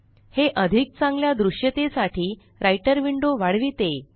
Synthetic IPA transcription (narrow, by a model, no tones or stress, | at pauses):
heʔəd̪ʱik̚t͡sãŋɡljad̪ɾuʂjət̪esaʈʰiː | ɾajʈəɾʋiɳɖoʋaɽ̤ʋiːt̪e